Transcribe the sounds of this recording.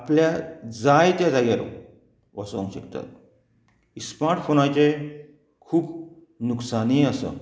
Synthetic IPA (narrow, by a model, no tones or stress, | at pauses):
apljad͡zajt̪jad͡zaɡjaɾɔ̰ | ʋasõ̰ŋɕəkt̪a̰t̪̚ | ismaɾʈfoñajt͡ɕe | kʰuːb | nuksaniəsə̰